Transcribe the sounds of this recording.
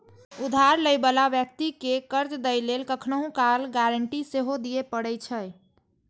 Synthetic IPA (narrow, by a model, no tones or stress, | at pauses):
ud̪ʱaɾləjbəlabjək̚t̪ikekəɾt͡ʃd̪əjlelkəkʰnəɦũkalɡaɾəɳʈiseɦod̪ijepəɽɛjt͡ʃʰəj